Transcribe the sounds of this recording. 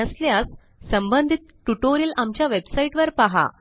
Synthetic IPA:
əsljas | səmbənd̪ʱit̪̚ʈuʈoɾjəlʔamt͡ɕjaʋebsaiʈʋəɾpaɦa̰

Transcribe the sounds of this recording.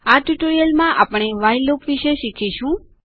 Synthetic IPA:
aʈuʈoɾijəlmãʔapɳ̃eʋajlokʋiʃeʃikʰiʃũ

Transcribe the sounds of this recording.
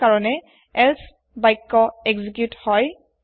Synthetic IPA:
kaɹɔnɛ | ɛls | bajkːɔɛɡzikjuthɔj

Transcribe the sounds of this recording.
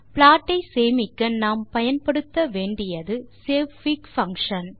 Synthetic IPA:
plaːʈːɐɪseːmɪkːɐnaːmpɐjɐnpɐɽɯt̪ːɐʋeːɳɖɪjɐðɯseːʋfɪkfɐŋkʂɐn

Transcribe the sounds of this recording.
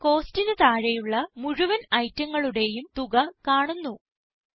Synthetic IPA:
ko̞ːstinɨt̪aːɻɐjuɭːɐmuɻuʋɐnɐjtːɐŋːɐɭuɽe̞jumt̪uɣɐkaːɳunːu

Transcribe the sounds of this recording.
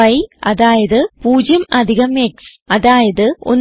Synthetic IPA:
ɐjɐðaːjɐðɨpuːd͡ʑɐmɐd̪ʱiɣɐmeːksɐðaːjɐðɨo̰nː

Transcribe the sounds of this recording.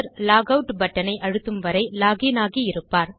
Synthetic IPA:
ɾlaːɣɐʊʈbɐʈːɐnɐɪʔɐɻɯt̪ːɯmʋɐɾɐɪlaːɣinaːɣiɪɾɯpːaːɾ

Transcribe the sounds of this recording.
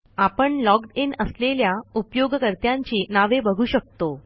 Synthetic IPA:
apəɳlɔkʈinəsleljaupjoɡəkəɾt̪jaɲt͡ɕiːnaʋebəɡʱuːɕək̚t̪o

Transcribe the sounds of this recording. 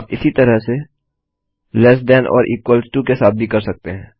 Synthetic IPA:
aːpɪsit̪ɐɾəɦse | lɛs̬d̪ɛnʔɔ̰ːɾʔiːkwəlsʈukesaːt̪̚bʱikɐɾsɐk̚t̪eɦɛ̃ː

